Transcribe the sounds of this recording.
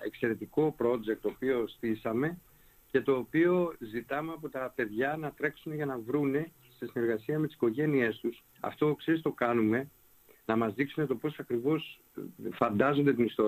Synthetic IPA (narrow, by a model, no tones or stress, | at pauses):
e̞kse̞ɾe̞t̪iko̞pɾo̞d͡ʒek̚t̪ːoːpio̞st̪isɐme̞ | ce̞t̪o̞ːpio̞zit̪ɐmeɐpot̪ɐpe̞ðʝɐnɐt̪ɾe̞ksune̞ʝɐnɐvɾune̞ | sesine̞ɾɣɐsiɐme̞t̪i̥si̥ko̞ʝe̞nie̞st̪us | ɐ̰ft̪o̞kseɾist̪o̞kɐnume̞ | nɐmɐzðiksune̞t̪o̞po̞sɐkɾivo̞s | fɐnd̪ɐzo̞nd̪et̪inist̪o